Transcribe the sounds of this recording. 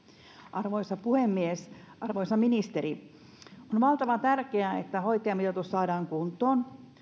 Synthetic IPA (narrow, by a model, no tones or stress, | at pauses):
ʔɑrʋoisɑpuhemːies | ɑrʋoisɑminist̪eɾi | onʋɑlt̪ɑʋɑt̪ærkeæet̪ːæhoit̪ːˑeɑmit̪æt̪ossɑːdɑːŋkunt̪ˑoːn